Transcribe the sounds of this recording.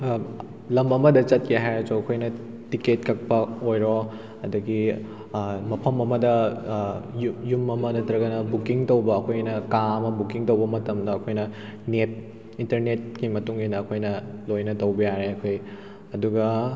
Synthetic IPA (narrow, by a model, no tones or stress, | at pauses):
lɐmɐmɐdɐt͡ʃɐt̚keɦajɾɐsuɐkʰojnɐ | tiket̚kɐk̚pɐojɾo | ɐdɐɡi | mɐpʰɐmɐmɐdɐ | jjumɐmɐnɐtɾɐɡɐnɐbukiŋtowbɐːkʰojnɐkaɐmɐbukiŋtowbɐmɐtɐmdɐːkʰojnɐnet̚ | intɐɾnet̚kimɐtuŋinɐːkʰojnɐlojnɐtɐwbɐjaɾeɐkʰoj | ɐduɡɐ